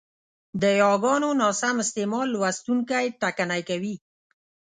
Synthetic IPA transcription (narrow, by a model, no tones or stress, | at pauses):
d̪əjɑɡɑnonɑsamɪst̪emɑlwast̪uŋkajʈakanajkawi